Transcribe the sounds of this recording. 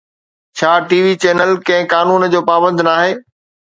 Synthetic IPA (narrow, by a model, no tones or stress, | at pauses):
t͡ɕʰaːʈiːʋit͡ɕeːnəlkɐ̃ɦɪ̃kaːnuːnd͡ʑoːpaːbə̃nd̪naːɦeː